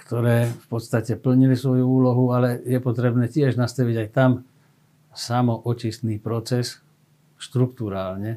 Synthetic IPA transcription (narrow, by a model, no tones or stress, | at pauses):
kt̪ɔɾɛːfpɔt̪st̪acɛpl̩ɲilisʋɔjuuːlɔɦualɛjɛpɔt̪ɾɛbnɛːcɪɛʒnast̪aʋiɟajt̪am | samɔʔɔt͡ʃist̪niːpɾɔt͡sɛs | ʃt̪ɾukt̪uɾaːlɲɛ